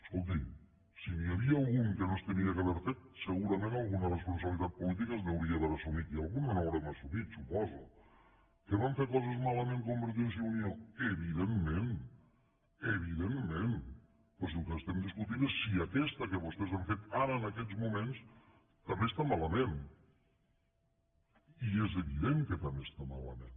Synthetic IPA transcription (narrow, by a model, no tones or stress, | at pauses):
əskolˠt̪̬i | siniaβiaːlˠɣuŋkənost̪əniakaβɛɾfet̪̚səɣuɾɐmẽnalˠɣunərespunsəβlit̪at̪̚pulit̪̬ikaznewɾiaðəɾəsumit̪ialˠɣunənoawɾɛmasumit̪supɔzṵ | kəβaɱfeɾkɔzəzmaləmẽŋkombəɾensiunijoeβiðemːẽn | əβ̞iðemːen | pɔzlukəːst̪ɛmd̪iskut̪inesːiakɛst̪əkəβust̪ɛzaɱfet̪aɾəːnəkɛd͡zmumens | t̪ɐmbest̪amaləmen | iezəβiðeŋkət̪ambest̪amalə̰mẽn